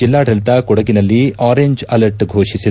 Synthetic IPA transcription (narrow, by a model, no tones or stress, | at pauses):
d͡ʒilːaːɖɐlt̪ɐkɔɽɐɡinɐlːiaːɾeɲd͡ʒɐlɐɾʈɡʱoːʂisi